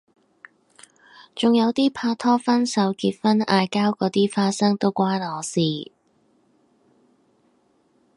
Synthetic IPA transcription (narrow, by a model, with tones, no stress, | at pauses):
t͡sʊ˨ŋjɐ˨˧wt̪iː˥pʰaː˧t̪ʰɔː˥fɐ˥nsɐ˨˥wkiː˧t̚fɐ˥naː˧jkaː˥wkɔː˨˥t̪iː˥faː˧t̚sɐ˥ŋt̪o˥wkʷaː˥nlɔː˨˧siː˨˩